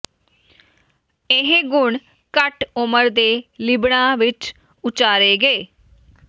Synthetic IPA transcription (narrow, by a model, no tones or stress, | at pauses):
ɪɦẽɡʊɳ | kəʈʊməɾd̪eːlɪbɽãːʋɪt͡ʃ | ʊt͡ʃaːɾeːɡeː